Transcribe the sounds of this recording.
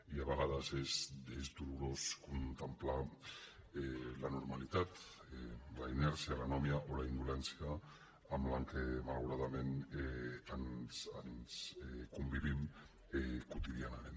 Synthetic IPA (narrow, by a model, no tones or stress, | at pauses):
iaβaɣaðasezd̪ezd̪uɾuɾo̞skont̪empla | lanoɾmalit̪at̪ | laineɾsialanomiaʔolaind̪ulent͡siaː | mlaŋkemalɣuɾaðamen | ansanskombiβim | kot̪iðianaɾen